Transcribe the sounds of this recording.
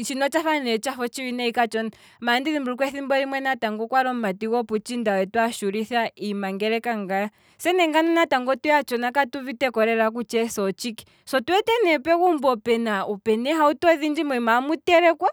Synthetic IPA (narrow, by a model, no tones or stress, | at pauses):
t͡ʃinɔt͡ʃaɸanɛt͡ʃafɔt͡ʃiwinɛikat͡ʃɔna | mandiðimbuɾuk̬wɛθimbɔɾimwɛnataŋɡɔkwaɾɔmatiɣɔput͡ʃindawɛtwaʃuɾiθaimaŋɡɛɾɛkaŋɡaja | sɛnɛŋɡananataŋɡɔtujat͡ʃɔnakatuβitɛkɔɾɛɾak̬ut͡ʃɛsɔt͡ʃiki̥ | sɔtuɛtɛnɛpɛɣumbɔpɛnaupɛnɛɦautɔðind͡ʒimɔimamutɛɾɛkwa